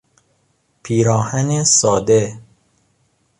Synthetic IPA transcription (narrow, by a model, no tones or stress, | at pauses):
pʰiːɾɒːhænesɒːd̪e